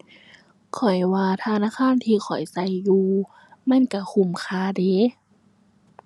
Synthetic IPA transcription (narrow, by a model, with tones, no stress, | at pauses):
kʰɔ˨˩jwaː˧t̪ʰaː˧naː˧˥˨kʰaː˧˥˨nt̪ʰiː˧xʰɔ̰˨˩jsa˧˦jːuː˧ | ma˧˥˨nka˧˩kʰu˧˩˨mkʰaː˧deː˨˧˦